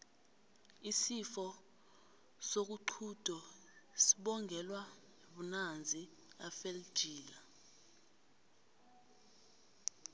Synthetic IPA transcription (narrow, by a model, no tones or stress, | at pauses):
isifɔ | sok̬uǃʰud̥ʱɔ | siɓɔŋɡʱɛlwa | nɓunand͡zʱi | afel̥ʒ̥ʱiːla